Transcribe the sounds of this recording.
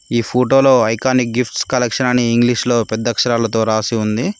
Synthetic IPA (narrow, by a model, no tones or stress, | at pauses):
iːpʰoːʈo̞ːloːɐjkaːnik̚ɡipʰʈskɐlekʂɐnɐniːŋɡliʂlo̞ːpɛd̪ːɐkʂɐɾaːlɐt̪o̞ːɾaːsiund̪i